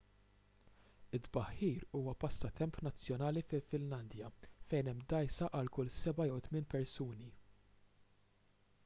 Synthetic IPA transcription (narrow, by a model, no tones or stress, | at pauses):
ɪd̪bɐħːiːɾuːwɐpɐst̪ɐt̪ɛmpnɐt͡sːjɔnɐːlifɪlfɪnlɐnd̪jɐfɛjnɛmːd̪ɐjsɐʔɐlkʊlsɛbɐjɛwt̪mɪːnpɛɾsuːni